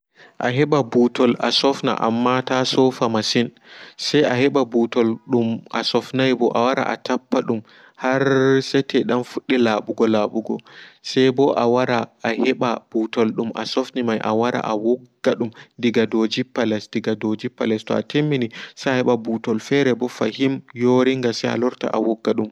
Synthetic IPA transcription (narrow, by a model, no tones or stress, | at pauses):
ʔaɦɛɓabutʰɔlʔasɔfna̰ʔa̰mːatasɔfamasin | sajahɛɓabutɔlɗumʔa̰sɔfnajbɔʔawaɾa̰ʔa̰tʰapːaɗum | haɾsɛtʰɛɗamfuɗːilaɓuɡɔlaɓuɡɔ̰sɛjbɔʔawaɾaːhɛɓab̥utɔlɗumʔa̰sɔfnimajʔa̰waɾa̰ʔawɔɡːaɗumdiɡadod͡ʒipːalɛsdiɡadod͡ʒipːalɛstɔa̰tʰemːinisajahɛɓabutɔlfɛɾɛbɔfahimjoɾiŋɡasɛja̰lɔɾta̰ʔawɔɡːaɗum